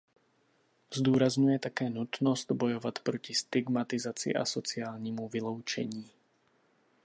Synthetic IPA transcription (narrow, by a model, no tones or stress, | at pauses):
zd̪ɔːɾazɲujɛt̪akɛːnut̪nɔzt̪bɔjɔʋac̪pɾɔcist̪iɡmat̪izat͡sɪḭʔa̰sɔt͡sɪaːlɲimuvilɔʊt͡ʃɛ̰ɲiː